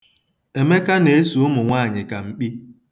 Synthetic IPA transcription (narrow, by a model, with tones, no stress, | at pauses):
e˨me˦ka˦ne˨e˦su˨ʊ˦mʊ˨ŋʷaː˦˨ɲɪ˨ka˨ŋ͡m̩˨k͡pi˦